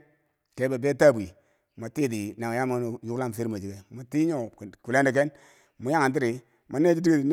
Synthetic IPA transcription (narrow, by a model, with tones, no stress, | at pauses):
ke˦be˨be˦ta˦˨bi˨ | ma˨ti˦˨di˨na˨ŋ˨ja˦m˦˨ju˦kla˦˨m˨si˦ɾma˨d͡ʒi˨ɡe˨mo˨ti˦ɲo˦˨kku˨le˦nde˨ke˦n | mu˨ja˦ŋa˨nt̬i˦ɾi˨ | mo˨˦ne˦d͡ʒi˦di˦ɡi˦˨n